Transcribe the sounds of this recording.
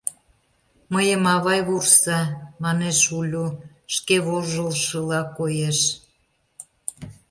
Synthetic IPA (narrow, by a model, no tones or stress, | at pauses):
məjəmɑβɑjβursɑmɑneʃulʲu | ʃkeβoʒəlʃəlɑkojeʃ